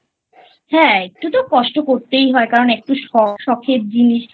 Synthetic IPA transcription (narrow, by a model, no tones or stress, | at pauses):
hɛ̃ek̚ʈut̪okɔʃʈokoɾt̪ejɦɔekaɾonek̚ʈuʃɔʃɔkʰet̪̚d͡ʑiniʃ